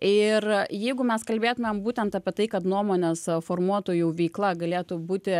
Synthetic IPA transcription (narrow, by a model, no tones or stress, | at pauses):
ɪrjɛɪɡʊmʲɛskɐlʲbʲeːt̪ʊmʲembuːt̪ʲɛnt̪ɑːpʲiɛt̪ɐɪkɐt̪nuɔmoːnʲɛsfoːrmuɔt̪oːjuʋʲɛɪklˠɐɡɐlʲeːt̪ubuːt̪ʲɪ